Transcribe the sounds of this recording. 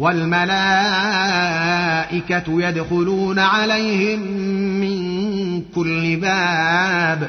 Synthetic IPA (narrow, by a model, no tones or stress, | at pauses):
walmalaː | ʔɪkajad̪xʊluːnaʕalajhɪmːɪŋkʊlːɪbaːb